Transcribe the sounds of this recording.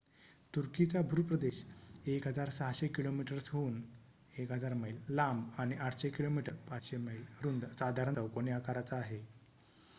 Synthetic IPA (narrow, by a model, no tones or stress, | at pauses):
t̪uɾkit͡sabʱuɾpɾəd̪eɕekɦəd͡zaɾsaɦɕekilomiʈəɾsɦuːn | ekɦəd͡zaɾməjllambaɽñiʔaʈʰɕekilomiʈəɾpaɕeməjlɾund̪sad̪ʱaɾəəwkonjakaɾat͡saːɦe